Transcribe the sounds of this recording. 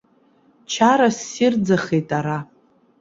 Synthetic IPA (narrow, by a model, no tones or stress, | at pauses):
t͡ʃʰaɾasird͡zaχejtʼaɾa